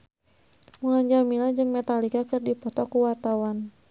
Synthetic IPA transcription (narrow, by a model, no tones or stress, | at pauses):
mulaɲd͡ʒamilad͡ʒɨŋmɛt̪alikakɨrdipɔt̪ɔkuwart̪awan